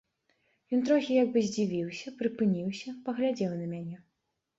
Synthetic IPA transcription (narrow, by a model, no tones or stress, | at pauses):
jɔnt̪ɾɔxʲijaɡ̚bɨzʲd͡zʲivʲiwsʲɐpɾɨpɨnʲiwsʲɐpɐɣlʲad͡zʲɛwnɐmʲanʲɛ